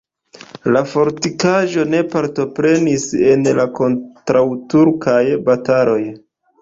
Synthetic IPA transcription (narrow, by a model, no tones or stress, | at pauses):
lafo̞ɾtikaʒo̞ne̞paɾto̞pɾe̞nise̞nlako̞ntɾawtuɾkʰajbatalo̞j